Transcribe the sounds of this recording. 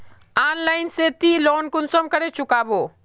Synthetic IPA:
aːnlaːɪnset̪iloːnkʊnsɔmkəɾet͡ʃʊkaːboː

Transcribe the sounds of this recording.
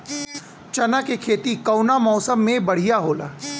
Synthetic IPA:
t͡ʃɐnakekʰeːt̪ikɐwnamɔːsəmːẽbɐɽ̤ijaɦoːla̰ː

